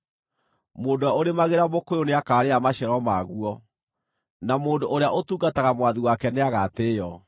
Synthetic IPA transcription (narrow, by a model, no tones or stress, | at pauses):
moːndowaoɾemaɣeɾamokojoneakaːɾeamaɕɛɾɔmaɣuɔ | namoːndoʔoɾeaʔotuːɡataɣamwaðiwakɛneaɣateːjɔ